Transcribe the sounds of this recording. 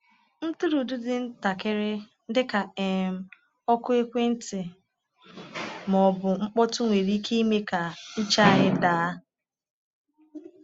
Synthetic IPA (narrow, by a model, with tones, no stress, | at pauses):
n̩˦tu˦ɾu˨dʊ˦dɪ˨n̩˦ta˨ke˦ɾɪ˦n̩˦dɪ˦ka˨e˨m̩˨ | ɔ˦kʊ˦e˦kʷe˦n̩˦tɪ˨ | mɔ˨bʊ˨ŋ͡m̩˦k͡pɔ˦tʊ˦ŋʷe˨ɾi˦kʰe˦i˦me˦ka˨n̩˦t͡ʃa˦a˦ɦɪ˦daː˨˦